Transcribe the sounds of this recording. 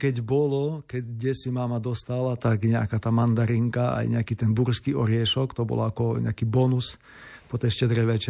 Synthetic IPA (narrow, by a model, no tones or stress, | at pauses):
kɛɟbɔlɔkɛɟɡɟɛsimaːmad̪ɔst̪alat̪aɡɲɛa̰kaːt̪aːmand̪aɾiŋkaa̰jɲɛakiːt̪ɛnbuɾskiɔɾɪɛʃɔkt̪ɔbɔ̰lakɔɲɛ̰akiːbɔnus | pɔt̪ɛjʃcɛd̪ɾɛʋɛt͡ʃɛ